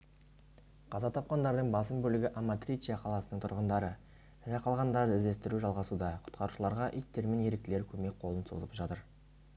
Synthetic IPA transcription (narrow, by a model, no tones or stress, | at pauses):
qʰɑzɑt̪ʰɑp̚qɑnd̪ɑɾd̪əɴbɑsəmbɵlɪɡʲɪʔamːat̪ɾʲijt͡ʃijaqʰɑlˠɑsənəɴt̪ʰʊɾʁənd̪ɑɾə | ɾɑqʰɑlˠʁɑnd̪ɑɾd̪əɪzd̪e̞st̪ɪɾuʒɑlˠʁɑsud̪ɑqʰʊ̥t̪qʰɑɾuʃəlˠɑɾʁɑʔijt̪ːe̞ɾme̞nje̞ɾek̚t̪ɪleɾkʲʰɵme̞k̚ʲqʰo̞lˠənso̞̰zəpʒɑt̪əɾ